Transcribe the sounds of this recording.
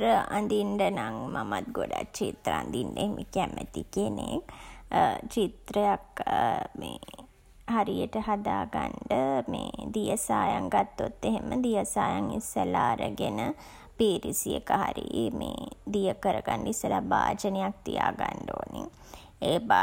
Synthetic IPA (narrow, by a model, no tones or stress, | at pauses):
ɾəand̪iɳɖənaŋmamat̪̚ɡoɖakt͡ʃit̪ɾəand̪iɳɖəeɦemʔekæmət̪ikenek | t͡ʃit̪ɾəjakme | haɾijəʈəɦad̪aːɡaɳɖəmeːd̪ijəsaːjaŋɡat̪ːot̪ːeɦeməd̪ijəsaːjaŋisːəlaːɾəɡenə | piːɾisijekəɦaɾimeːd̪ijəkəɾəɡaɳɖisːəlabaːd͡ʒənejak̚t̪ijaːɡaɳɖoːniŋ | eːba